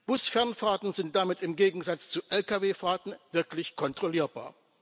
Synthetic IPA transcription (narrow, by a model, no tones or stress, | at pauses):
b̥ʊsfɛɐnfaːtn̩zɪnt̚d̥amɪtɪmɡeːɡŋ̩zat͡st͡suʔɛlkaveːfaːtn̩vɪɐklɪçkʰɔntʁ̥oliːɐba̰ːɐ